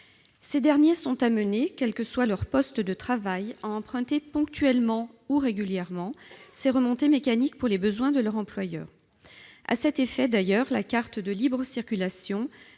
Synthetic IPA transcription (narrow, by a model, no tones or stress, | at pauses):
sed̪ɛʁnjesɔ̃t̪amənekʲɛlkəswalœʁpɔst̪d̪ət̪χavajaɑ̃pχɛ̃t̪epɔ̃k̚t̪ɥɛlmɑ̃uʁeɡʲyljɛʁmɑ̃seʁəmɔ̃t̪emekanikpuʁlebəzwɛ̃d̪əlœʁɑ̃plwajœ̰ːʁ | a̰sɛt̪efɛd̪ajœʁlakaʁt̪d̪əlibʁəsiʁkʲylasjɔ̃